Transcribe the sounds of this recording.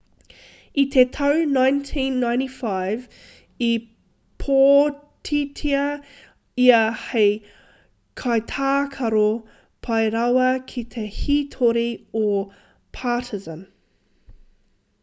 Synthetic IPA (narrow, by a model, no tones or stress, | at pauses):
it̪ʰet̪ʰɐwnãjntʰĩːnːaj̃ntifaɪv | i | pʰoː | tʰitʰiɐ | iɐheɪ | kʰɐjt̪ʰaːkʰɐɾo | pʰɐjɾawɐkʰit̪ʰehit̪ʰoɾio | pʰaːtʰɪzə̃n